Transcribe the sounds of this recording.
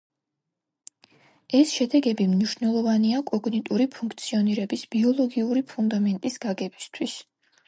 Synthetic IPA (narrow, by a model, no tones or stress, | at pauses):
ɛsʃɛd̪ɛɡɛbimniʃnɛlˠɔvaniakʼɔɡnit̪ʼuɾipʰuŋkʰt̪sʰiɔniɾɛbisbiɔlˠɔɡiuɾipʰund̪amɛnt̪ʼisɡ̥aɡɛbist̪ʰwis